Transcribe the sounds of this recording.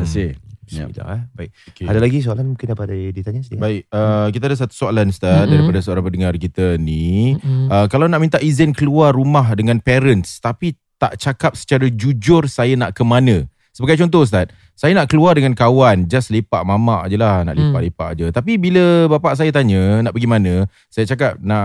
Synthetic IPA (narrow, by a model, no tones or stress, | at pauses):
əsḭḭa̰baɪokeadalaɡis̬oalanmuŋkɪndapadadit̪aɲasədibaɪkəkit̪̬adəs̬at̪u̥soalanst̪at̪̚daɾipadasəoɾanpədəŋarkit̪əni | əkalawnaʔmint̪aʔizɪnkəluarːumaɦdəŋãnpɛɾənst̪api | t̪a̰ʔt͡ʃakap̚sə̥t͡ʃaɾad͡ʒud͡ʒʊrsajanaʔkəmanə̃ | səbəɡajt͡ʃɔnt̪̬ɔhs̬t̪at̪̚ | sajanaʔkəluardəŋankawand͡ʒaslepa̰ʔmamaʔd͡ʒəlahna̰ʔlipaʔlepa̰ʔd͡ʒət̪apibiləbapaʔs̬ajat̪̬aɲə̃naʔpəɡimanə̃ | sajat͡ʃakap̚naʔ